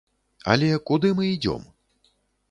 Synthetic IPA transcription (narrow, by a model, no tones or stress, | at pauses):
ɐ̰lʲɛkud̪ɨmɨid͡zʲɔ̰m